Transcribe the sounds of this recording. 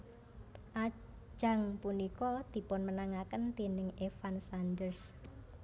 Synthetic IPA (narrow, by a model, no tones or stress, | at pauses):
ʔḁ | d͡ʒ̥a̤ŋpunikɔd̪̥i̤pʊnmənaŋakənt̪inɪŋefansandərs